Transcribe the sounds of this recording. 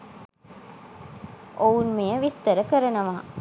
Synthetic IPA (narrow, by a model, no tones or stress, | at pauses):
ʔounmejəʋist̪əɾəkəɾɐnɐʋaː